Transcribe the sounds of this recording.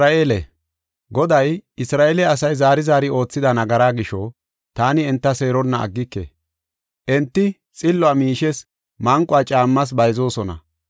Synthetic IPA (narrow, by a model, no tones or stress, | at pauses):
aeːlɛ̰ | ɡɔd̪ɐjɪsɾaːʔeːlɛɐsɐjzaːɾɪzaːɾɪo̞ːt͡sːɪd̪ɐnɐɡɐɾaːɡɪʃɔ | t̪aːnɪɛnt̪ːɐse̞ːɾɔnːɐ̰ːɡːɪkːɛ̰ | ʔɛnt̪ːɪ | t͡sʼɪlːʊaːmiːʃɛs | mɐŋkʼʊaːt͡ʃʼaːmːɐs̬bɐjzo̞ːsɔnɐ̰